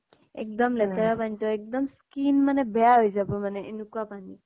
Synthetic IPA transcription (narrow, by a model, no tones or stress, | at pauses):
ɛ̰k̚dɔmlɛtaɹapantɔɛk̚dɔmskinmanɛbɛjaɦojzabɔmanɛʔenʊkuapani